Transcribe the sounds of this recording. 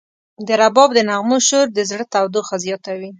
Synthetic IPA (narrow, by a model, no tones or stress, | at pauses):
d̪əɾabɑbd̪ənaɣmoʃoɾd̪əzɽət̪awd̪oxazjɑt̪awi